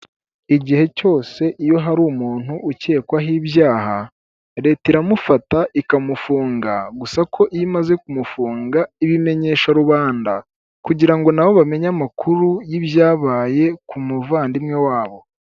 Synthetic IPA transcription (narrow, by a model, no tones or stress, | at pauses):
iɟihe̞co̞ːse̞ʔijo̞ɦaɾumuːn̥huʔːce̞ːkwaɦiːβjaːha | ɾe̞tiɾamufataʔikamufuːŋɡaɡusakʰo̞ʔimaze̞kumufuːŋɡaiβime̞ɲe̞ːʃaɾuβaːnda | kuɟiɾaŋɡo̞naβo̞βame̞ɲamakʰuɾujiβjaːβaːje̞kumuvaːndimŋewaːβo̞